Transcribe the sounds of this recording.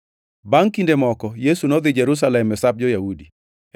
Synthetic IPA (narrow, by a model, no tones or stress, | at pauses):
baŋkindemɔkɔjesunɔd̪ɪd͡ʒeɾus̬alɛmːɛsap̚d͡ʒɔjahudi